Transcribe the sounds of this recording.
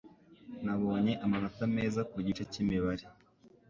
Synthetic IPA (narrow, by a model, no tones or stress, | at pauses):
naβo̞ːɲe̞ʔamanotame̞ːzakuɟit͡ʃecimiβaɾe